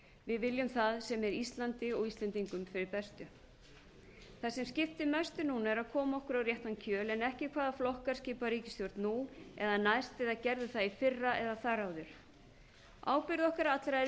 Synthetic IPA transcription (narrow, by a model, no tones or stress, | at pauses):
vɪðvɪljʏmθaðsɛmɛɾist̪lant̪ɪɔɣist̪lɛnt̪iŋkʏmfɪɾɪɾpɛst̪ʏ | θasɛmscɪft̪ɪmœst̪ʏnuːnaɛɾaðkʰɔːmaɔhkʏɾawrjɛht̪ancʰœːlɛnɛhcɪkʰvaːðaflɔhkaɾ̥sciːpaɾiːcɪst̪jɔɾt̪nuɛ̰ðanajst̪ɪðaðcɛɾðʏθaðifɪrːaʔɛðaθaɾawðʏɾ̥ | ʔa̰ːwpɪɾðɔhkaɾaat̪lɾaɛ